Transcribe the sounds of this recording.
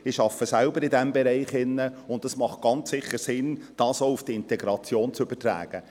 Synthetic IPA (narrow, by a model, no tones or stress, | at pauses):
ɪʃɑfːəsɛlbəɾɪdɛmbɛɾɛɪχɪnːəʊntdɑsmɑχt̚ɡ̥ɑnt͡sːɪχəɾsɪnd̥ɑːsoufd̥iɪntɛɡɾɑt͡sjoːnt͡sʏb̥ətɾæ̰ːɡ̥ə